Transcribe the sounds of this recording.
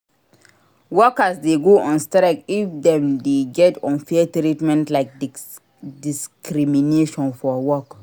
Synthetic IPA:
wɔkasdeɡoʔɔ̃nstɾɛkifdɛ̃mdeɡɛtɔ̃nfiətɾitmɛ̃ntlaɪk̚ | diskɾimineʃɔ̃nfɔwɔk

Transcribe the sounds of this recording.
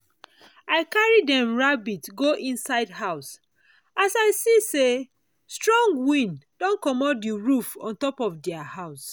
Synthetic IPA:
aɪkaɹidɛ̃mɹabitɡoʔĩnsaɪdhaʊs | asaɪsise | stɹɔ̃ŋɡwĩnd̥ɔ̃nkɔmɔt̚diɹufɔ̰̃ntɔpɔfdɛahaʊs

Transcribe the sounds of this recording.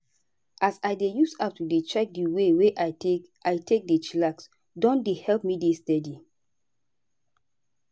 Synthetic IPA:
ʔasajdejusatudet͡ʃɛk̚diweweʔae | ajtek̚det͡ʃlaks | dɔ̃ndehɛlpmidestɛdi

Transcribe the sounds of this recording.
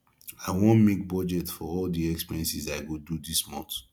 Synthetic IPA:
aɪwɔ̃nmek̚bɔd͡ʒɛtfɔɔldiɛkspiɹɛ̃nsizaɪɡodudismɔ̰̃nt

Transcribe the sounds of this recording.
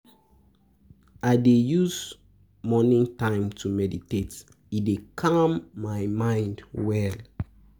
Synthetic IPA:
aɪdejuz | mɔnĩŋtãɪ̃mtʰumɛditet | idekʰamːajmãɪ̃ndwɛl

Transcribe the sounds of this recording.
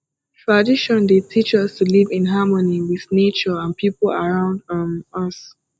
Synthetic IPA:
tʰɹ̥adiʃɔ̃ndetʰit͡ʃʌstʰulivɪ̃nɦamɔniwɪðnet͡ʃɔãnpʰipl̩aɹãʊ̃ndmʌs

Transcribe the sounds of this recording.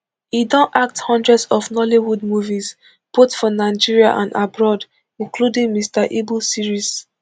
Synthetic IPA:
idɔ̃nʔak̚thɔ̃ndɹɛdsɔfnɔliwud̚muviz | b̥otfɔnaɪd͡ʒiɹiaʔã̰nabɹɔd | ĩnkludĩŋmistaʔibulsiɹis

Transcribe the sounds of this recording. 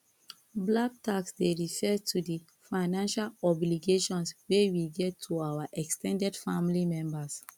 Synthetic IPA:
blak̚tʰaksdeɹifɛtʰudi | faɪnãnʃalɔbliɡeʃɔ̃nswewiɡɛtʰːuawaʔɛkstɛ̃ndɛdfãmlimɛ̃mbas

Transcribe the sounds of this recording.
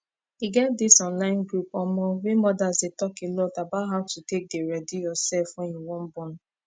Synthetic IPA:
iɡɛt̚disɔ̃nlãɪ̃nɡɾupɔmɔ̃wemɔdazdetɔkelɔtabatɦaʊtutek̚deɹɛdijɔsɛlfɔ̃njuwɔ̃m̩bɔ̃n

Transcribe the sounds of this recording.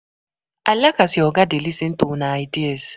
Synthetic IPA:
alːakasiɔɡadelisintʼunaitiɛs

